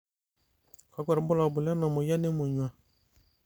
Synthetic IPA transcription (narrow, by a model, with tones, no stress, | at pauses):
ka˨ɡɛ˨ɾbʊ˦la˨bʊ˨la˦na˨mɔ˨ja˦ne˦mɔ˨ɲũ˨ã˨